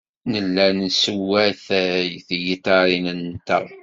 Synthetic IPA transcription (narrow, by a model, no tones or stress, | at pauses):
nəlːænsəwæθθjit̪ɑɾinənt̪əʁˤ